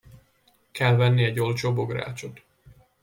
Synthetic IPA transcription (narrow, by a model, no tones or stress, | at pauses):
kɛlvɛnːiɛɟo̞lt͡ʃoːboɡra̰ːt͡ʃot̪